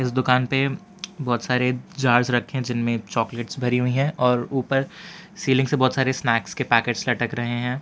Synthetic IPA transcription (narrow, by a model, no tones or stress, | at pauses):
ɪsd̪ʊkaːnpe | bɔːt̪saːɾed͡ʒaːɾzɾɐkʰːeɦɛ̃d͡ʒɪnmẽt͡ʃɔːkleːʈsbʱɐɾiɦʊiɦɛ̃ʔɔːɾuːpəɾsiːlɪ̃ŋsebɔːt̪saːɾesnɛːkskepɛːkeːʈslɐʈəkɾɐɦeɦɛ̃ː